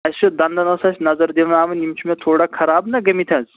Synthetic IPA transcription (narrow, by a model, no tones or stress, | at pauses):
ɐst͡ʃʰud̪ɐnd̪ɐnɐsɐsʲnɐzɐɾd̪eʋnaːʋɐnimt͡ʃʰumet̪ʰoːɽakʰɐɾaːbnɐɡɐmit̪ʰɐ̃nz